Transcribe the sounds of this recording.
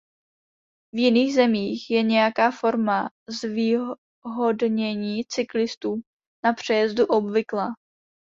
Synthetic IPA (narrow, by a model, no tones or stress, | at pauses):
vjɪniːɣzɛmiːxjɛɲɛjakaːfo̞ɾma | zvi | ɦo̞dɲɛɲiːt͡sɪklɪst̪uː | napr̝̥ɛjɛzduʔobvɪklaː